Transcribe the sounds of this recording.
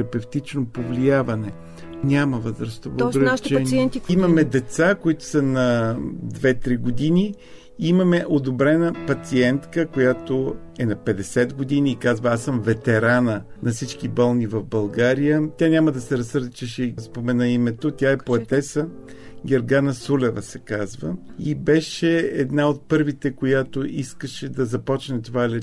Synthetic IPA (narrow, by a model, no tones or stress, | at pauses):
ɾɐpɛft̪it͡ʃnopovliavɐnɛ | nʲaməvəzɾəst̪ovɡɾʃt͡ʃɛniɛnimɐmɛd̪ɛt̪sakoit̪ʊ̥sɐnɐd̪vɛt̪ɾiɡod̪inʲi | imɐmɛʔod̪obɾɛnəpɐt̪siɛnt̪kəkojat̪oɛnɐpɛd̪ɛsɛd̪ɡod̪iniːkazvɐasəmvɛt̪ɛɾanənɐfsit͡ʃkibɤlˠnivɐvbɐlˠɡaɾijət̪ʲanʲaməd̪ɐsɛɾɐsɤɾd̪it͡ʃɛʃɛispomɛnaimɛt̪ot̪ʲjaɛpoɐt̪ɛsə | ɡʲeɾɡanəsulɛvəsɛkazvəibɛʃɛɛd̪naot̪̚pɤɾvit̪ɛkojat̪oʔiskəʃɛd̪ɐzɐpɔt͡ʃnɛt̪ovalɛ